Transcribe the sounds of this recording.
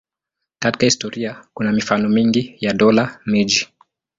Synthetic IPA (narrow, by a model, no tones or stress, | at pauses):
kati̥kahistɔɾiakunamifanɔmiŋɡijaɗɔlamid͡ʒi